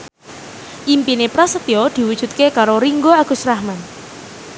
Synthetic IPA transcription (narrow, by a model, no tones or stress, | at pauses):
ʔimpinepɾasət̪iod̪̥i̤wud̥ʒ̥ṳt̪̚kekaɾoɾiŋɡoaɡ̥ṳsɾahman